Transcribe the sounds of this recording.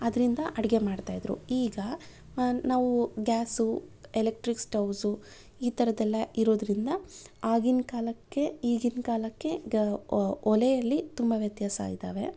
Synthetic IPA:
ɐd̪ɐɾind̪ɐʔɐɽɡe̞maːɖt̪aːjd̪ɾṵiːɡɐ | naːʋuɡaːsuelek̚ʈɾiksʈɐwsu | iːt̪ɐɾɐd̪ɛlːɐiɾo̞ːd̪ɾind̪ɐaːɡinkaːlɐkːe̞iːɡinkaːlɐkːe̞ | ɔlejɐlːit̪umbɐʋjɐt̪jaːsɐa̰ːɡid̪a̰ːʋe̞̰

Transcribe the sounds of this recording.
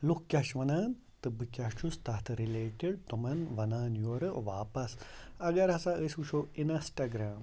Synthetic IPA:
lukkʲːjɐʃʋɐnaːn | t̪ɨbɨkʲat͡ʃʰust̪ɐt̪ʰɾileːʈiɖ̚t̪umɐnʋɐnaːnjoːɾɨʋaːpɐs | ɐɡɐɾɐsaəsuʃʰoinɐsʈɐɡɾaːm

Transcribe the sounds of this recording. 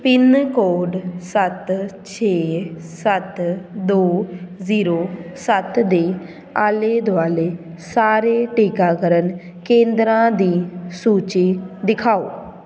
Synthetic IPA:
pɪnkoːɖsət̪t͡ʃʰeːsət̪d̪oːziːɾoːsət̪d̪eː | aːleːd̪oaːleː | saːɾeːʈiːkaːkəɾən | kẽːnd̪ɾãːd̪iːsuːt͡ʃiːd̪ɪkʰaːo̰ː

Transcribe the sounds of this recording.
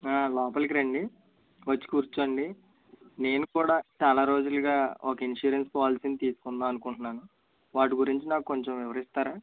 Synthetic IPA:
aːlɔːpɐlk̬iɾɐɳɖi | ʋɐt͡ʃːi̥kuːɾt͡ʃuɐɳɖi | ne̞ːnukuːɽaːt͡ʃaːlaːɾo̞ːd͡ʒuluɡaːɔkɐinʂuːɾenspaːlsinit̪iːsu̥kunːaːɐnukuɳʈunːaːnu | ʋaːʈ̬iɡuɾiɲt͡ʃinaːkuko̞ɲt͡ʃemʋɪʋɐɾist̪aːɾaː

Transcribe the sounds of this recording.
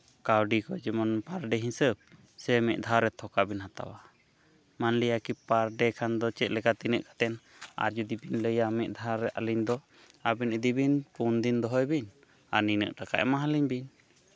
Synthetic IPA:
kawɖikɔd͡ʒɛmɔnpaɾɖɛɦisəb̚ | sɛmɛʔd̪ʱaɾɛt̪ʰɔkabinhat̪a̰wa | manlijakipaɾɖɛkʰand̪ɔt͡ʃɛʔ̪̚lɛkat̪inəʔkḁt̪ɛn | a̰ɾd͡ʒud̪ibinləjamɛʔd̪ʱaaɾɛʔa̰liɲd̪ɔ | abinəd̪ibinpund̪ind̪ɔɦɔjbin | aninə̰ʔʈaka̰ʔɛ̰maɦaliɲbin

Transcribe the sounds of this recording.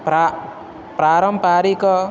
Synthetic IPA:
pa | pɾaɾɔmpaɾikɔ

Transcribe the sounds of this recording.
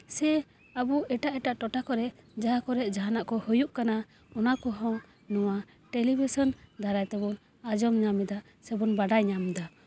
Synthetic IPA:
sɛ | abuʔɛʈaʔɛʈaʔʈɔʈakɔɾɛʔd͡ʒaɦakɔɾɛʔd͡ʒaɦanaʔkɔhujuʔkana | ɔnakɔɦɔ̃ŋ | nɔwa | ʈɛlibisɔnd̪ʱaɾajt̪ɛbɔn | ad͡ʒɔmɲamid̪a | sɛbɔnbaɖajɲamd̪a

